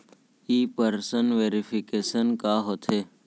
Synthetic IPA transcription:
iːpəɾsənʋeːɾipʰɪkeːsənkaːɦot̪ʰe

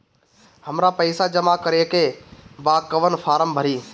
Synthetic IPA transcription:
həmɾapɐɪsad͡ʒɐmakəɾeːkeːbaːkəʋənfaːɾəmbʱəɾiː

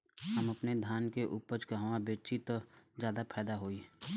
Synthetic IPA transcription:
ɦəmɐpned̪ʱjaːnkeʔuːpət͡ʃkaɦʋãbeːt͡ʃit̪od͡ʒjaːd̪apʰɛːd̪aɦoːi

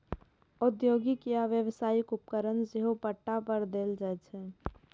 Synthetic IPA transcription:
ʊd̪joːɡikijaʋjəʋsaːikʊp̚kəɾənd͡ʒeɦopəʈːapəɾd̪eːld͡ʒaɛt͡ʃʰɛ

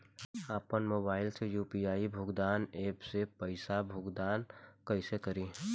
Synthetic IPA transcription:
aːpənmoːbaːɪlsejuːpiaːibʱʊːɡd̪aːneːpsepəɪsabʱʊːɡd̪aːnkəɪsekəɾiː

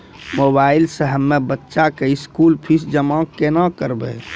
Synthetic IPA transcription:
mobaːɪlsəɦəmːebətːʃakeɪskulpʰisd͡ʒəmãkenãkəɾbɛ̰

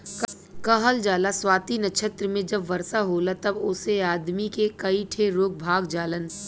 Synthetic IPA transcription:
kɐɦəld͡ʒaːlaswaːt̪inɐʃʰət̪ɾəmẽd͡ʒɐbʋɐɾsaɦoːlat̪ɐbʊseaːd̪mikekɐiʈʰeɾoːk̚bʱaːɡd͡ʒaːlən

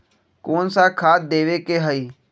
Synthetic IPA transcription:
koːnsakʰaːt̪̚d̪eːʋekeɦəiː

